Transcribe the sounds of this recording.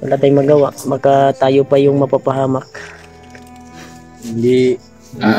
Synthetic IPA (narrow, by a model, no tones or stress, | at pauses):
wɐ̰laːt̪ajmɐɡawaʔmɐkat̪aːjopajʊŋmɐpapaɦaːmak̚ | hɪnd̪i | a